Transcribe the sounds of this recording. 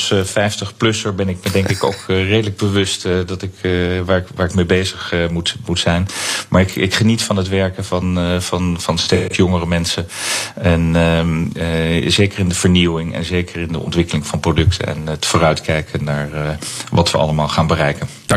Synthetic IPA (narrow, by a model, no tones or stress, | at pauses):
sfɛjftəχplɵsəɹbɛnɪk̚mədɛŋkɪko̰wkrejdələɡ̚bəʋɵstdɑtɪkʋaːɹkʋaːɹɪkmejbejzəχmutmutsɛjnmʔa̰ːɹɪkɪkχənitfɑnɦətʋɛɹkəvɑnvɑnvɑnstekjɔŋərəmɛnsəɛn | zejkərɪndəv̥əɹniwɪŋɛ̰nzejkəɹɪndə̰ʔɔ̰ntʋɪkəlɪŋvɑnprodɵktʰə̰nɛ̰nətfʊːrœɥtkɛjkʰənːaːɹʋɑtʋə̰ʔɑ̰ləmaːlˠχaːnbərɛjkən